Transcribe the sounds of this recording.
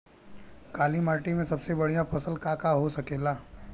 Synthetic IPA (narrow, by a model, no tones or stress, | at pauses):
kaːlimaːʈimẽsɐbsebɐɽijãpɐsəlkaːkaɦosɐkeːlaː